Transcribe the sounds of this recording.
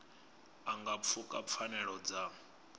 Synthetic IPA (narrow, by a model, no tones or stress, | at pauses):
aŋɡap̪fʰukʼap̪fʰanɛɺɔd͡za